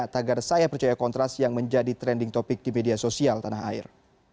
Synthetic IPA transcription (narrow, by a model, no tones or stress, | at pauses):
t̪aɡarsajapərt͡ʃajakɔnt̪ɾast̪jaŋməɲd͡ʒadit̪ɾɛndɪŋt̪ɔpɪk̚dimediasosialt̪anaɦa̰ɪ̰r